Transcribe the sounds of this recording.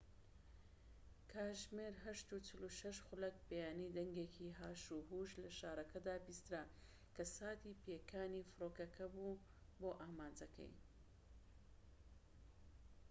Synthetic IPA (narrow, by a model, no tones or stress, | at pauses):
kʰaːʒmeɾɦɐʃt̪ut͡ʃɨluʃɐʃxʊlɐk̚bejaːnid̪ɐŋɡeːkʰiɦaːʃuɦuʒlɐʃaːɾˤɐkʰɐd̪aːbiːst̪ɨɾa | kʰɐsaːt̪iːpeːkʰaːnifɨɾoːkɐkʰɐbuboːʔaːmaːnd͡ʒɐkʰɐ̰j